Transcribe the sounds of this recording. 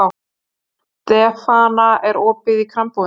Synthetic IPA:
w | t̪ɛːfanaɛɾɔːpɪðikʰɾampuð

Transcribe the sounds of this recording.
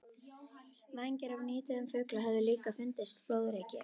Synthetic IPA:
vaɲcɪɾavniːt̪ɪðʏmfœːklaɦɛvðʏliːkafɪnt̪ɪst̪floːwðɾeːcɪ̰

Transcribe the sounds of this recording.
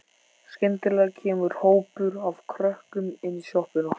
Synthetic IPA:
skɛnt̪ɪlɛɣcʰɛːmʏɾ̥hoːwpʏɾav̥kʰɾœhkʏmɪnːisjohpɪnɔ

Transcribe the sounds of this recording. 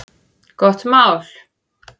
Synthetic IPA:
kɔht̪maːwl̥

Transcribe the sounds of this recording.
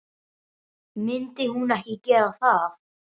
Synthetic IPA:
mɪnt̪ɪhunɛhkicɛːɾaθað

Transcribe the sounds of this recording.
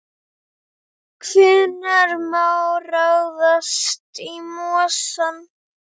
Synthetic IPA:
kʰvɪnːaɾmawrawðast̪imɔːsan

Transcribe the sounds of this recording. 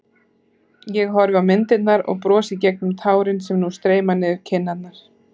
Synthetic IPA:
jɛɣɦɔɾvɪawmɪnt̪ɪt̪naɾɔ̰ɣpɾɔːsɪcɛk̚nʏmt̪ʰaːwɾɪnsɛmnust̪ɾeːjmanɪðɪɾ̥cʰɪnːat̪̚naɾ̥

